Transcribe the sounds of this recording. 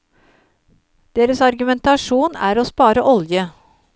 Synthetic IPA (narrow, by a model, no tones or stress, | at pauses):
d̪̥eːɾəsɑɾɡʉmɛnt̪ɑʂuːnæ̰ːɾoːspɑːɾəʔɔljə